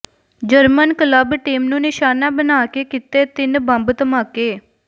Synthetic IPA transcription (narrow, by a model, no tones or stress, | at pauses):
d͡ʒəɾmənkələbʈiːmnũːnɪʃaːnãːbənaːkeːkɪt̪eːt̪ɪnbə̃mbt̪əmaːkeː